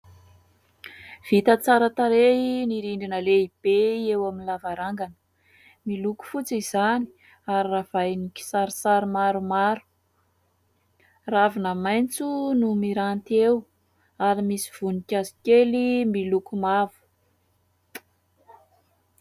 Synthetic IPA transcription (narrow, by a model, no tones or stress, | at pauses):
v̥it̪ət͡saɾət̪aɾeiniɾiɳɖ͡ʐinəleib̥eewaminlavaɾaŋɡanə̥ | miluku̥fut͡sizani̥ | aɾirav̥ajniki̥saɾisaɾimaɾumaɾu̥ | ravinəmajnt͡sunumiɾant̪ew | aɾimisiv̥unikʲazi̥kʲelimilukumavu̥